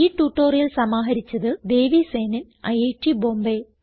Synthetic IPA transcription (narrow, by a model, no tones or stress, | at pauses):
iːʈːuːʈːoːrjɐlsɐmaːɦɐɾit͡ɕːɐðɨd̪e̞ːʋiseːnin | ɐ̰jeːʈːiboːmbe